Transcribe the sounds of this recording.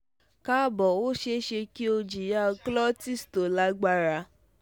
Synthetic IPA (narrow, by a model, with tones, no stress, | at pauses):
ka˦˨bɔ˨wo˦ʃe˧˦ʃe˧ki˦o˧d͡ʒi˨ja˦ɔ˧klɔ˦ti˦˨sto˨la˦ɡ͡ba˧ɾa˧